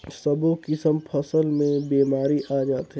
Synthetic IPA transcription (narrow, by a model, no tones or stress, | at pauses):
səbokɪsəmpʰɐsəlmẽbiːmaːɾiʔaːd͡ʒaːt̪ɦɛ